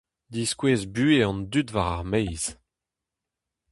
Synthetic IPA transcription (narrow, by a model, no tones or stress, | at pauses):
d̪iskweːzbyeɑ̃ndytvaʁaʁmejz̥